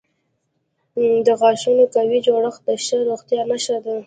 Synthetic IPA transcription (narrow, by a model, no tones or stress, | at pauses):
d̪əɣɑʃunokawid͡ʒoɽəxd̪əʃəɾoxt̪jɑnaʃəɾd̪a